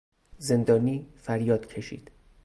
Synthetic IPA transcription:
ze̞nd̪ɒːniːfæɾjɒːd̪̥cʰe̞ʃḭːd̪̥

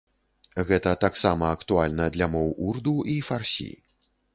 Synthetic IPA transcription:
ɣɛt̪ɐt̪aksamɐɐkt̪ualʲnɐd̪lʲamɔwʔurd̪uifarsʲḭ

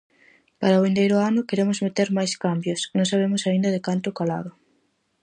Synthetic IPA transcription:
paɾɐβend̪ejɾʊanʊkeɾemʊzmet̪eɾmajskambjʊsnõŋsaβ̞emʊsaĩnd̪ɐðekant̪ʊkala̰ðʊ

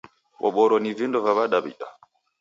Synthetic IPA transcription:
ɓɔ̰ɓɔɾɔnivindɔvaβaɗaβḭɗa̰

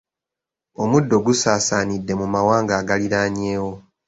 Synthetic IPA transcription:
o̞mudːo̞ɡusaːsaːnidːe̞mumawaːŋɡaːɡaliɾaːɲe̞ːwo̞

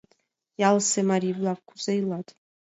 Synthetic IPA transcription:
jalsemaɾiblakkʷʰu̥zajlatʼ

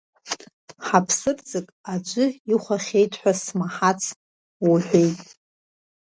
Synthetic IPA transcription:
ħapʰsɨrd͡zɨkʼad͡ʒʷʼʊiχʷaχʲe̞jtʰʼħʷᶣasmaħat͡sʰ | waħʷᶣejtʼ

